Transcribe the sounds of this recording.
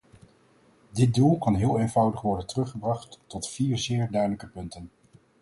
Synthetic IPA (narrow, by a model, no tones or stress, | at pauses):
dɪt̚dulˠkɑnɦɪːlˠejnvʌwdəχʋɔɹdəntərɵχəbrɑχtːɔtfiːɹzɪːɹdœɥdələkəpɵntən